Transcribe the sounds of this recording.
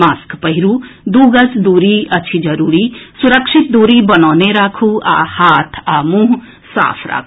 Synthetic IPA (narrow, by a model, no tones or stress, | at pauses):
maːskpəɦiɾud̪uːɡɐt͡sd̪uːɾiɐt͡ʃʰid͡ʒɐɾuːɾisuɾəkʂit̪̚d̪uːɾibɐnaːneɾaːkʰua̰ːhaːt̪ʰaːmũːɦ | sa̰ːpʰɾa̰ːkʰ